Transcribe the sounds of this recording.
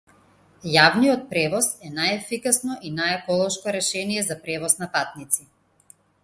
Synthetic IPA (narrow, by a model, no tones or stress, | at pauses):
javnijɔt̪̚pɾɛvɔsɛnajɛfikasnɔʔinajɛkɔlˠɔʃkɔɾɛʃɛnijɛzapɾɛvɔsnapat̪̚nit̪si